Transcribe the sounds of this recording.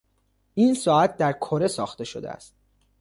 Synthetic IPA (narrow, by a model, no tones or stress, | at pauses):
ʔiːnsɒːæt̪̚d̪æɾkʰoɾe̞sɒːxt̪e̞ʃod̪ḛæ̰st̪̚